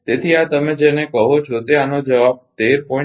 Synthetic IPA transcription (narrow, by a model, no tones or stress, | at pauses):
t̪et̪ʰiat̪əmed͡ʒenekəɦot͡ʃʰot̪eanod͡ʒəʋab̚t̪eɾpɔ̃